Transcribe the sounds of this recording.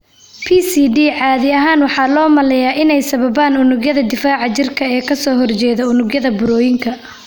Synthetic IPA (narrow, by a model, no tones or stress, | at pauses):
pʰiːsiːɖiːʕɑːðɪɐɦaːnwɑħɑːlɔːmɐlɛjaːʔɪnɛjsɐβɐβaːnʊnʊɡjɐðɐd̪ɪfaːʕɑt͡ʃɪrkʰɐɛːkʰɐsɔːɦɔrt͡ʃɛːðɐʊnʊɡjɐðɐbʊɾɔːjɪŋkʰɐ